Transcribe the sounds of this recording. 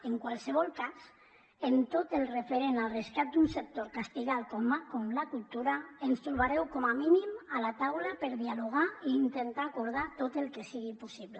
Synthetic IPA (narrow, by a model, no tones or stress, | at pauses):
eŋkwalˠseβ̞ɔlˠkaz | ent̪ot̪elˠrefeɾenalˠreskat̪̚d̪unsek̚t̪oɾkast̪iɣalkɔmakɔmlakulˠt̪uɾaenst̪ɾuβaɾɛwkɔmaminimalat̪awlapeɾðialuɣ̞aiːnt̪ent̪aːkuɾð̞at̪ot̪elˠkesiɣipusiβle